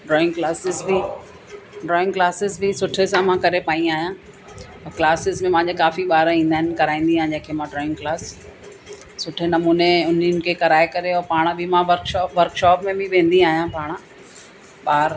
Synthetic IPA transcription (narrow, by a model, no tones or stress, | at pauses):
ɖɾɔːɪ̃ŋɡklaːsɪzbɪ | ɖɾɔːɪ̃ŋɡklaːsɪzbɪsʊʈʰesãmãkɐɾepaːĩaːɦjãː | klaːsɪzmẽmãːɲd͡ʑekaːfiɓaːɾĩːnd̪aːɦɪnɪ̆kɐɾaːĩːn̆d̪iaːɦɪ̃nd͡ʑẽːkʰeːmãɖɾɔːɪ̃ŋɡklaːs | ʊʈʰenɐmuːneʊn̤inɪ̆kʰeːkɐɾaːekɐɾeɔːɾpaːɽ̃bʱɪmãʋɐɾkʃɔːpʋɐɾkʃɔːpmẽbɪʋẽːn̆d̪iaːɦijãpaːɽ̃ | ɓaːɾ